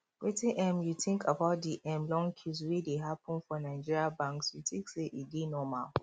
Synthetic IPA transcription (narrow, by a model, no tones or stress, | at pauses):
wetĩnʔɛmjutĩŋkʰabaʊt̚diʔɛ̃mlɔ̃ŋkʰiswedeɦapə̃nfɔnaɪd͡ʒiɹiabãŋksjutĩŋkseʔidenɔma̰l